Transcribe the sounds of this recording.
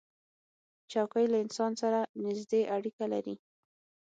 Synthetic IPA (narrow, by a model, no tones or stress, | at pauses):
t͡ʃɑwkəjlaɪnsɑnsaɾanɪzd̪eʔaɽikala̰ɾi